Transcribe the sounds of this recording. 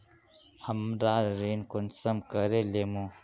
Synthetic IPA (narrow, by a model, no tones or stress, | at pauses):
həmɾaɾinkunsəmkəɾelemu